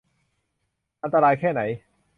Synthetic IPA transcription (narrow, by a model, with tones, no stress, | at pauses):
ʔa˧nt̪a˧ɾaː˧jkʰɛː˥˩na˩˦j